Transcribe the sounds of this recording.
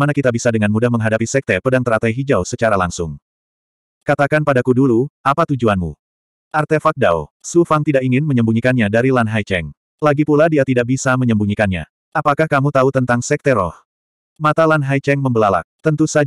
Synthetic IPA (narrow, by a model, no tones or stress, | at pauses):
manakit̪abisadəŋanmudahməŋɦadapisɛk̚t̪ɛpədaŋt̪əɾat̪ajɦid͡ʒawsət͡ʃaɾalaŋsʊŋ | kat̪akanpadakuduluʔapat̪ud͡ʒuanmṵ | ʔart̪efak̚da̰wsufaŋt̪idakiŋɪnməɲəmbuɲikanɲadaɾilanɦajt͡ʃɛŋ | laɡipuladiat̪idak̚bisaməɲəmbuɲikanɲa̰ | ʔapakahkamut̪aut̪ənt̪aŋsɛk̚t̪ɛɾɔ̰h | mat̪alanɦajt͡ʃɛŋməmbəlala̰k̚t̪ənt̪usa